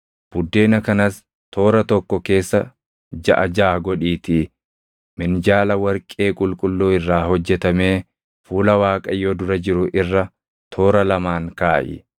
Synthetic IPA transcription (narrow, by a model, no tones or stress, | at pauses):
b̥ʊd̪ːe̞ːnɐkɐnɐs | t̪ʰo̞ːɾɐt̪ɔkːɔke̞ːsːɐ | d͡ʒɐ̰ʔɐd͡ʒaːɡɔᶑiːt̪i | mɪnd͡ʒaːlɐwɐɾkʼeːkʼʊlkʼʊlːuːɪrːaːhɔd͡ʒːɛt̪ɐme̞ː | fuːlɐwaːkʼɐjːod̪ʊɾɐd͡ʒɪɾʊʔɪrːɐ | t̪ʰo̞ːɾɐlɐmaːŋkaːʔɪ̰